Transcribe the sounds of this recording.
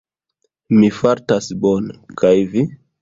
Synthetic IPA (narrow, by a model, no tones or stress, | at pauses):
mifaɾtasbonkʰajvi